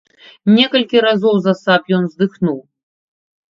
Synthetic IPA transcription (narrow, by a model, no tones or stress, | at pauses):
nʲɛkɐlʲkʲiɾazɔwzɐsapjɔnzd̪ɨxnuw